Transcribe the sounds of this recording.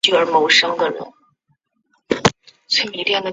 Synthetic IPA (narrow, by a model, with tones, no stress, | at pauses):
y˥˩ə˞˧˥mo˧˥ʊʂɤ˥ŋɡə˨ɻə̰˧˥n | t͡swe˥˩ɪmi˨˩˥ljɛ˥˩nd̪ə˩